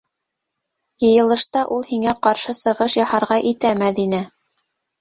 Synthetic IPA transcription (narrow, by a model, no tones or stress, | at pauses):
jɤ̆jɤ̆lˠɤ̆ʃt̪ɑʔulˠhiŋæqɑɾʃɤsɤ̆ʁɤʃjɑhɑɾʁɑʔit̪æmæðinæ